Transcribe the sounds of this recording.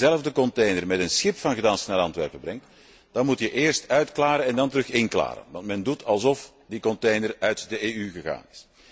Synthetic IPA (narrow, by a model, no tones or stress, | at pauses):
zɛləvdəkɔntejnərmɛtənsxɪpfɑnɣədɑnsənaːɾɑntʋɛ̰rpəbrɛŋt | d̥ɑnmutjəʔɪːrstœɥtklaːɾəɛndɑntəɾɵxɪnkla̰ːɾə̰nʋɑ̰ntmɛndutʰɑlˠzɔf | dikɔntejnərœɥtdəeːyɣəɣa̰ːnɪs